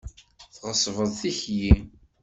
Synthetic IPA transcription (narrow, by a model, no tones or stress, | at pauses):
θʁəsˤvəðˤθiçji